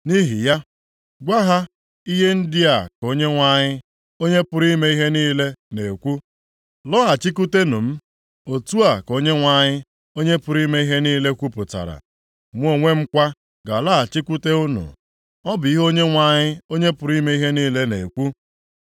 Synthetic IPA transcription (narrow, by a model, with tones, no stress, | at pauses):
ni˦ɦi˨ja˦ | ɡʷa˦ɦa˦ | i˦ɦe˦n̩˦dɪ˦a˨ko˦ɲe˦ŋʷa˦ɲɪ˦ | o˦ɲe˦pʊ˨ɾi˦me˦i˦ɦe˦niː˦le˦ne˨kʷu˦ | lɔ˦a˨t͡ʃi˦k̬u˦te˦nu˨m̩˦ | o˨tu˦a˨ko˦ɲe˦ŋʷa˦ɲɪ˦ | o˦ɲe˦pʊ˨ɾi˦me˦i˦ɦe˦niː˦le˦kʷu˦pʊ˨ta̰˨ɾa̰˨ | mʷ˦o˦˨ŋʷe˦m̩˦kʷa˦ | ɡa˨lɔ˦a˨t͡ʃi˦kʷu˦te˦u˦nṵ˨ | ɔ˦bʊ˨i˦ɦo˦ɲe˦ŋʷa˦˨ɲɪ˦o˦ɲe˦pʊ˨ɾi˦me˦i˦ɦe˦niː˦le˦ne˨kʷu˦